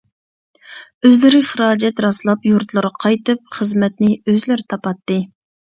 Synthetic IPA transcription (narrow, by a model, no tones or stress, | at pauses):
øzlɪɾɪχəɾɑːd͡ʒɛt̪ɾɑslˠɑpjuɾt̪lˠɨɾqʰɑjt̪ɨp̚χəzmɛt̪nɪøzlɪɾt̪ʰɑpɑt̪ːɨ